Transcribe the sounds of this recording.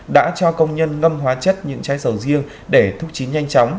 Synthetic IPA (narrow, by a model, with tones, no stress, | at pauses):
ɗa̰ː˧˥t͡ɕɔ˧kə˧wŋ͡mɲə˧nŋə˧mɦwaː˨˦t͡ɕə˦˥t̚ɲɨ̰˧˥ŋt͡ɕaː˨˦jsə˧˩wzi˧əŋ | ɗe˧˩t̪ʰʊ˦˥k͡p̚t͡ɕi˨˦nɲa˧jŋ̟t͡ɕɔ˨˦wŋ͡m